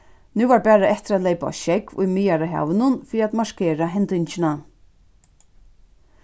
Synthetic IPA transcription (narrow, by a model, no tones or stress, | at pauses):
nuːvaɾpæːɾaɛht̪ɪɾat̪lɛjpa̰ʃɛkvʊ̰jmiːjaɾaɦa̰ːvɪnʊnfɪːɾiat̪maʃkeːɾaɦɛnt̪ɪɲt͡ʃɪna